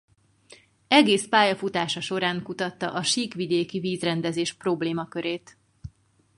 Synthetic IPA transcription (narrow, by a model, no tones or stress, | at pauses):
ɛɡeːspaːjɒfut̪aːʃɒʃo̞ɾaːŋkut̪ɒt̪ːɒ̰ʔɒʃiːkʋid̪eːkiviːzrɛnd̪ɛzeːʃpro̞bleːmɒkø̞ɾeːt̪